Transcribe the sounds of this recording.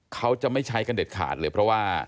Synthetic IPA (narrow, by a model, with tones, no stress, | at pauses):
kʰa˦˥wt͡ɕa˨˩ma˥˩jt͡ɕʰa˦˥jka˧nde˨˩t̪̚kʰa̰ː˨˩t̪̚lɤː˧jpʰɾɔ˦˥waː˥˩